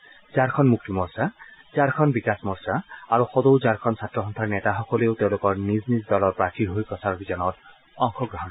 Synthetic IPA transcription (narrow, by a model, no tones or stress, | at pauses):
zaɹkʰɔnmuk̚timɔɹsazaɹkʰɔnbikasmɔɹsaaɹuxɔdowzaɹkʰɔnsatɹɔxɔnt̪ʰaɹnɛtaxɔkɔleʊteʊ̃lokɔɹniznizdɔlɔɹpɹatʰiɦojpɹɔsaɹɔbizanɔt | ɔŋxɔɡɹɔɦɔn